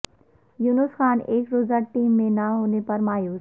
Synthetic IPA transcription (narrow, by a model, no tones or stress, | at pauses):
juːnʊsxaːneːkɾoːzaʈiːmːẽnaɦoːnepɐɾmaːjuːz